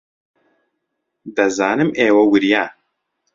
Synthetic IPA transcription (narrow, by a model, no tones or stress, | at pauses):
d̪ɐzaːnɨmeːwɐwɨɾijaː